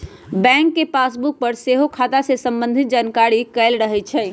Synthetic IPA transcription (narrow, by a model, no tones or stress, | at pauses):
bɛ̃ːŋkːepaːsbuk̚pəɾseɦokʰaːt̪asesə̃mbə̃nd̪ʱɪt̪̚d͡ʒaːnkaɾikɛlɾəɦɛt͡ʃʰɛː